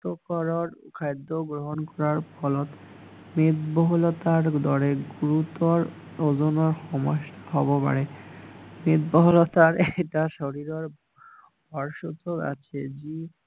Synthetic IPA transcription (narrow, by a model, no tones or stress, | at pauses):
t̪okɔɾoɾkʰajd̪ːoɡɾoɦonkɔɾaɾpɔlot̪ | met̪boɦolot̪aɾd̪ɔɽeɡuɾut̪oɾ | od͡ʑonoɾxɔmoʃʈḁɦɔbopa̰ɽe | met̪boɦolot̪aɾʈaʃoɽiɾoɾ | bʱɔɾʃot̪oka̰t͡ɕʰed͡ʑi